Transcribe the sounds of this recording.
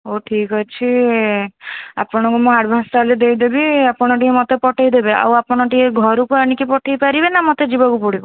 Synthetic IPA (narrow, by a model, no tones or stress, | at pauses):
oʈʰikɔt͡ʃʰi | apɔɽ̃ɔ̃ŋkumuaɖbʱanst̪aled̪ejd̪ebiapɔɽ̃ɔʈiemɔt̪epɔʈʰajd̪ebeʔa̰wapɔɽ̃ɔʈieɡʱɔɾukuaɽ̃ikipɔʈʰajpaɾibenamɔt̪ed͡ʒibɔkupuɽikɔ